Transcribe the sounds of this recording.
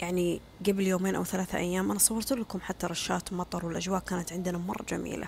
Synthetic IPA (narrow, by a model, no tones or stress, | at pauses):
jaʕni | ɡabljoːmeːnʔa̰wθalaːθʔa̰jːaːmʔanasˤɑwːɑɾˤt̪lakʊmħat̪ːaɾˤɑʃːaːt̪mɑt̪ˤɑɾˤwɪlʔad͡ʒwaːʔkaːnat̪ʕɪnd̪namɑrˤːɑ̰d͡ʒa̰mḭːlʔa̰